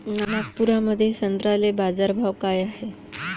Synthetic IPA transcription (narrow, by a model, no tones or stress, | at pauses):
nanak̚puɾaməd̪ʱːjesənd̪ɾalebad͡zaɾbʱaʋkajaɦe